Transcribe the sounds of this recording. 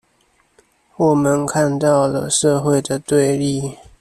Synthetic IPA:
wɔ˨˩mə˦nkʰa˥˧nt̪ɑ˥˩ʊlə̰˨ʂɤ˥˧xwe˥˩ɪd̪ə˩t̪we˥˧ɪli˥˨

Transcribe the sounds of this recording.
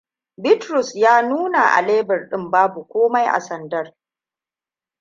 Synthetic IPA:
bɪ˦tɾʊ˨sjaː˦nuː˦na˨ʔa̰˨leː˦bɐ˨rɗɪ˦mbaː˦bu˨kʷoː˦ma˦jʔa̰˨sɐ˨ndɐ˦r

